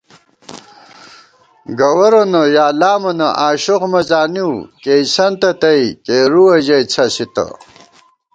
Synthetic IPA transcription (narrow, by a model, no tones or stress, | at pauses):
ɡɐwɐɾonɐjaːlaːmɐnɐʔaːɕoqmɐt͡saːniwkejsɐnt̪ɐt̪ɐikeːɾuɐʑɐjt͡sʰɐsit̪ɐ̰